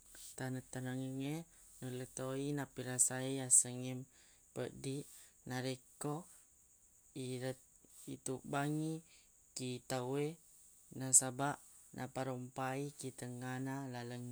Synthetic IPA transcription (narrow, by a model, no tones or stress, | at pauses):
t̪anət̪ːanaŋəŋe | nulət̪oinapiɾasaiasəŋim | pəʔdiʔnaɾeko | iɾət̪̚ | ḭt̪uʔbaŋi | kit̪awe | nasabaʔ | nʔa̰paɾompaikit̪əŋanalaləŋ